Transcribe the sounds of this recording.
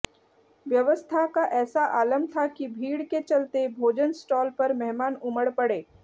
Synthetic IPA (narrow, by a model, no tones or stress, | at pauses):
ʋjəʋəst̪ʰakaʔɛːsaʔaːləmt̪ʰakibʱiːɽket͡ʃɐlt̪ebʱoːd͡ʒənsʈɔːlpɐɾmɛɦmaːnʊməɽpəɽeː